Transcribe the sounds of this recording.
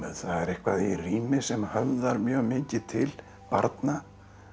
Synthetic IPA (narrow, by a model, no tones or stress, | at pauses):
θaðɛɾehkvaðiriːnɪsɛmhœvðaɾmjœːɣmɪːcɪt̪ʰɪl | pa̰ɾt̪na